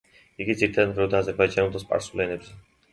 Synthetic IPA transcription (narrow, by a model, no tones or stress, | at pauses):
iɡid̪ziɾit̪ʰad̪ad̪bɾɛud̪aazɛɾbajd͡ʒanɛld̪ɔspʼa̰ɾsulɛnɛps